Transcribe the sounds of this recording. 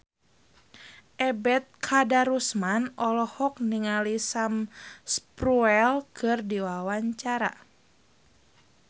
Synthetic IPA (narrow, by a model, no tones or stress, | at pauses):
ʔɛbɛt̪̚kʰadaɾusmanɔlɔhɔk̚niŋalisamspɾuɛlkʰɨrdiwawaɲt͡ʃaɾa̰